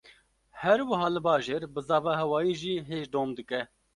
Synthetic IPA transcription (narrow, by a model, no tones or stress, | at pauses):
hɛɾwɨɦɑːlɨbɑːʒeːɾbɨzɑːvɑːɦɛwɑːjiːʒiːɦeːʒd̪oːmd̪ɨkɛ